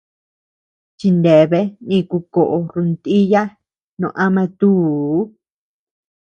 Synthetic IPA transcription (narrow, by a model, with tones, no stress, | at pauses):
t͡ʃi˧nd̪e˨βe˦nĩ˧ku˧ko˨ʔo˧ɾu˧nt̪i˦ja˦ | nõ̰˧ʔa˦mã˧t̪u˦˨˦